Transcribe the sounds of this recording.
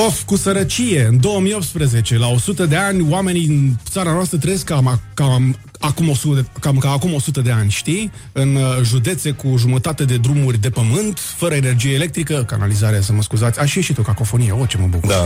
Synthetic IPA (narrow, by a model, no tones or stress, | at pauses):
ofkusəɾət͡ʃije̞ɨnd̪o̞wəmijo̞p̚t̪spɾəze̞t͡ʃe̞lao̞sut̪əd̪e̞anʲowame̞niint̪saɾanoast̪ɾət̪ɾejeskːamakam | akumo̞sut̪kamkaːkumo̞sut̪əd̪e̞anʲʃt̪ij | ɨnʒud̪e̞t̪se̞kuʒumət̪at̪e̞d̪e̞d̪ɾumurʲd̪e̞pəmɨnt̪ | fəɾəene̞rd͡ʒijeele̞k̚t̪ɾikəka̰na̰lizaɾeas̬əməskuzat̪sʲaʃieʃit̪okako̞fo̞nije̞ot͡ʃe̞məbṵkuṵ